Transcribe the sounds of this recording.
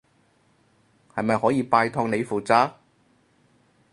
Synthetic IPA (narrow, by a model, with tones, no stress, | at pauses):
hɐ˨jmɐ˨jhɔː˨˥jiː˨˧paː˧jt̪ʰɔː˧ŋne˨˧jfuː˨t͡saː˥